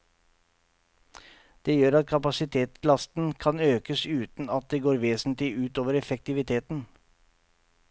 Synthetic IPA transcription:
d̪̥eːjøːɾɑt̪̚kʰɑpɑsɪt̪ʰeːt̪slɑst̪n̩kʰɑnøːkəsʉːt̪n̩ɑt̪̚d̪eːɡoːɾʋeːsn̩t̪lɪʉːt̪oːʋəɾɛfɛk̚t̪ɪʋɪt̪ʰeːt̪n̩

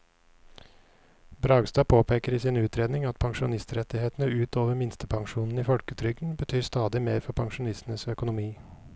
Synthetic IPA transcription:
bɾɑːɡst̪ɑːpʰoːpʰeːkəɾiːsɪnʉːt̪ʰɾeːd̪nɪŋɑt̪̚pʰɑŋʃʊnɪst̪ɾɛt̪ɪheːt̪nəʉːt̪ʰoːʋəɾmɪnst̪əpʰɑŋʃuːnn̩iːfɔlkət̪ʰɾʏɡn̩bət̪ʰyːɾst̪ɑːd̪ɪmeːɾfɔɾpʰɑŋʃʊnɪst̪n̩əsœkʊnʊmiː

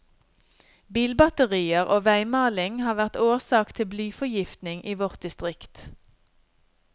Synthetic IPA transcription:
biːlbɑt̪əʁiːəʁʔoːʋæɪmɑːlɪŋhɑːʋæʁt̪oːʁsɑːkt̪ʰɪblyːfɔjɪft̪nɪŋʔiːʋɔʁt̪̚d̪ɪst̪ʁɪkt̪

